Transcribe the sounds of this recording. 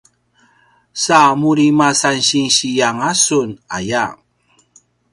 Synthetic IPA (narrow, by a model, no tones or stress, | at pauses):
samuɾimasanɕinɕijaŋasuna̰jaŋ